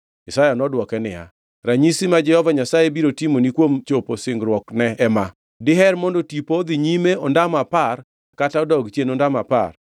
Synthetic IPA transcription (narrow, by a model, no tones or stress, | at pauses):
isajanɔdwɔkɛnɪ̰ja̰ | ɾaɲisimad͡ʒɛhɔvaɲasajebiɾotimonikwomt͡ʃoposɪŋɡɾwɔknɛɛma | dɪɦɛɾmɔndɔtipod̪iɲimeɔndamapar | kataɔdɔɡt͡ʃjenɔndamapa̰r